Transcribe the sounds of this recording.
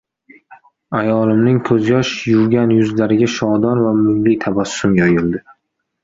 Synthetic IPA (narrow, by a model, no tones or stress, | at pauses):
ajɒlˠɪmnɪŋkʰɵzjɒʃjʊwɡʲanjʊzlaɾɪɡʲaʃɒd̪ɒnvamʊjːɪt̪ʰabasːʊmjɒjɪld̪ɪ